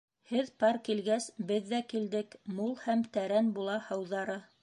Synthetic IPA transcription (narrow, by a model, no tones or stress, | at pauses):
hɘðpɑɾkilɡæsbɘðːækild̪ɘkmulˠhæmt̪æɾænbulˠɑhɤ̆wðɑɾɤ